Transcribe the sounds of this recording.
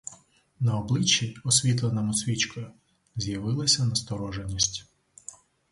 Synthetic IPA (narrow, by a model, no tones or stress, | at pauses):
nɐɔblˠɪt͡ʃːiɔsʲʋʲit̪lˠenɐmʊsʲʋʲit͡ʃkɔjʊ | zʲjɐʋɪlˠɪsʲɐnɐst̪ɔɾɔʒenʲːisʲtʲ